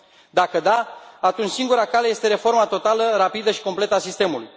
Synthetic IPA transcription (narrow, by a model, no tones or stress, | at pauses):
d̪akəd̪aat̪unt͡ʃsiŋɡuɾakale̞je̞st̪eɾe̞fo̞ɾmat̪o̞t̪aləɾapid̪əʃi̥ko̞mple̞t̪əasist̪e̞muluj